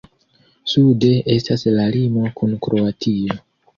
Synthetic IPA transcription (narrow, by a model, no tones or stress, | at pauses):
sude̞ʔe̞staslalimo̞kunkɾo̞atʰio̞